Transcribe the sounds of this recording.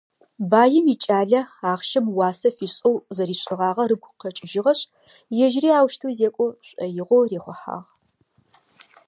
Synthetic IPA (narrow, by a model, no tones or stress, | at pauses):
baːjɪmiːt͡ʃʼaːɮɐaːχʃɐmwɑːsɐfiːɕʼɐwzɐɾiːɕʼɪʁɑːʁɐrɨɡʷʊqɐt͡ʃʼɪʒɪʁɐɕʼ | jɛʒriːaːwʃtʰuːzeːkʷʼoɕʷʼɐjɪʁʷoreːχʷɔħa̰ːʁ